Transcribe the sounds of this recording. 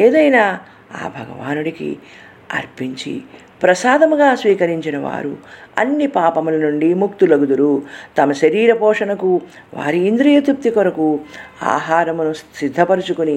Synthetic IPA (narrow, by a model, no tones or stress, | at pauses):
eːd̪ɐjnaː | a̰ːbʱɐɡɐ̰ʋa̰ːnuɽikḭ | ɐ̰ɾpiɲt͡ʃḭ | pɾɐsaːd̪ɐmuɡaːsʋiːkɐɾiɲt͡ʃinɐʋa̰ːɾuɐ̰nːipaːpɐmulɐnuɳɖimukt̪ulɐɡud̪uɾut̪ɐmɐʃɐɾiːɾɐpɔːʂɐnɐku | ʋa̰ːɾiːnd̪ɾɐjɐt̪up̚t̪ikɔɾɐkua̰ːɦaːɾɐmunusid̪ʱːɐpɐɾut͡ʃukuni